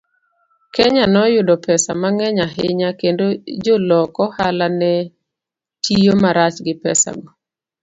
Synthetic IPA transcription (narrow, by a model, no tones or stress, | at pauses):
kɛɲanɔjʊdɔpɛsamaŋɛɲaɦɪɲakendod͡ʒolɔkɔhalanɛ | tijomaɾat͡ʃɡɪpɛ̰sa̰ɡɔ